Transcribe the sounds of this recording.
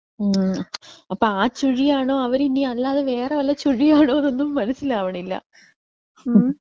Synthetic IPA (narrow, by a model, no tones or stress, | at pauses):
ɐpːoːaːt͡ɕuɻijaːɳoːɐʋɐɾiniɐlːaːðeʋe̞ːreʋɐlːɐt͡ɕuɻijaːɳoːðonːumːɐnɐsilaːʋɐɳilːɐ̰